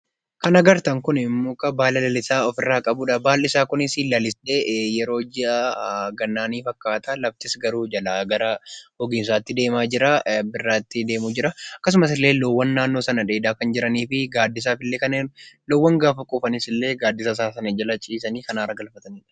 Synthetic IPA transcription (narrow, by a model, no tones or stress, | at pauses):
kɐnɐɡɐɾt̪ɐŋkʊnmːʊkʼɐbaːlɐlɐlɪsaːɔfɪrːaːkʼɐbuːᶑɐbaːlːɪsaːkʊnɪsiːlːɐlɪsᶑe̞ːjɛɾo̞ːd͡ʒɪɐɡɐnːaːniːfɐkːaːt̪ʰaːlɐft̪ɪsɡɐɾuːd͡ʒɐlaːɡɐɾɐhɔɡɪns̬aːt̪ːɪd̪e̞ːmaːd͡ʒɪɾabɪrːaːt̪ːɪd̪eːmʊd͡ʒɪɾɐɐkːɐs̬ʊmɐs̬ɪlːe̞ːlɔwːɐnːaːnːo̞ːsɐnɐᶑ̪eːd̪aːkɐnd͡ʒɪɾɐniːfɪɡaːd̪ːɪs̬aːfɪlːekɐnlɔwːɐŋɡaːfɐkʼuːfɐnɪsɪlːe̞ːɡaːd̪ːɪsɐsaːsɐned͡ʒɐlɐt͡ʃʼiːsɐniːkɐnaːɾɐɡɐlfɐt̪ɐniːᶑɐ̥